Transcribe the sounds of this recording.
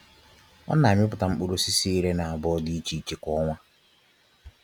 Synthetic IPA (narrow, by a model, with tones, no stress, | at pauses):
ɔ̰˦na˨ɲɪ˦pʊ˨ta˨m̩˦k͡pu˦ɾu˦si˦si˦i˦ɾe˦na˨a˨bɔ˦ɔ˦di˦i˦t͡ʃi˨i˨t͡ʃi˨kʷɔ˦ŋʷa˦